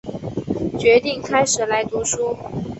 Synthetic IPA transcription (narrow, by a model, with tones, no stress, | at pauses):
t͡ɕɥɛ˧˥t̪i˥˩ŋkʰa˥ɪʂɻ̩˨˩la˧˥ɪt̪u˧˥ʂu˥